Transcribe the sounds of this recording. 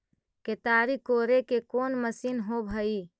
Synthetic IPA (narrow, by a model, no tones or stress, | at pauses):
ket̪aɾikoɾekekoːnməsinɦobʱəi